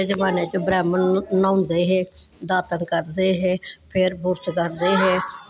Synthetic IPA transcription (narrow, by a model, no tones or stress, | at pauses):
eːd͡ʒəʋaːneːt͡ʃəbɾɛːmənːãːnd̪eːɦeː | d̪aːt̪ənkəɾd̪eːɦeːpʰɪɾbʊɾt͡ʃkəɾd̪eːɦeː